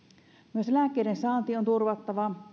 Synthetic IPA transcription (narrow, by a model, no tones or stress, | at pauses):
myøselækːˑeidensɑːnt̪iont̪urʋɑt̪ːɑʋɑ